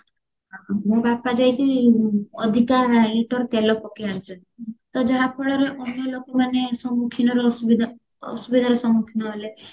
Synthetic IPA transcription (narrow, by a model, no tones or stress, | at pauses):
ɦamõbapad͡ʒajki | ɔd̪ʱikaliʈɔɾt̪elɔkɔkiant͡ʃʰɔnit̪ɔd͡ʒaɦapʰɔɭɔɾeʔɔnjɔlokɔmanesɔmukʰinɔɾesubid̪ʱ | ɔ̰subid̪ʱaɾesɔmukʰinɔɦele